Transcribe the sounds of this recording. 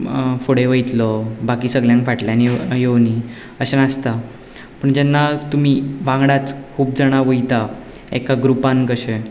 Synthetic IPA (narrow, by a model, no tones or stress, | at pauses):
foɽeʋəjt̪lɔbakiːsəɡljãŋkfaʈljanjewni | əɕenast̪a | pəɳd͡ʑɛnːat̪um̤iːʋãŋɡɽat͡skʰuːp̚d͡zəɽ̃aʋəjt̪a | ḛkaɡɾupãnkəɕe